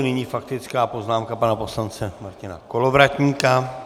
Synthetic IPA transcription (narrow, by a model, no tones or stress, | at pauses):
nɪɲiːfakt̪ɪt͡skaːpo̞znaːmkapanapo̞slant͡sɛmaɾcɪna̰ko̞lovɾac̪ɲiːka